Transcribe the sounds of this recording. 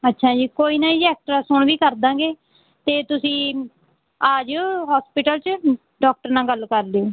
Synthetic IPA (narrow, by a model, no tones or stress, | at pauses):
ətːʃʰaːd͡ʒiːkoːiːnaːiɛːk̚ʈɾaːsʊɳʋiːkəɾd̪ãːɡeː | t̪eːt̪ʊsĩː | aːd͡ʒɦaːspɪʈəlt͡ʃ | ɖɔːk̚ʈəɾnãːɡəlkəɾleoː